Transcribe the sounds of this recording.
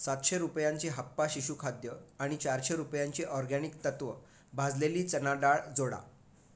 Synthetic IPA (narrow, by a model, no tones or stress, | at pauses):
sat̪ɕeɾupjaɲt͡ɕiɦapːaɕiɕukʰad̪jəaɽ̃it͡ɕaɾɕeɾupjãɲt͡ɕiʔɔɾɡanikt̪ət̪ʋə | bʱad͡zleliːt͡sənaɖaɭd͡zoɽa̰